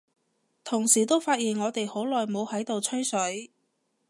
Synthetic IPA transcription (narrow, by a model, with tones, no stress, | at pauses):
t̪ʰʊ˨˩ŋsiː˨˩t̪o˥wfaː˧t̚jiː˨˩nŋɔː˨˧t̪e˨jho˨˥wlɔː˨jmo˨˧whɐ˨˥jt̪o˨wt͡sʰɵ˥ɥsɵ˨˥ɥ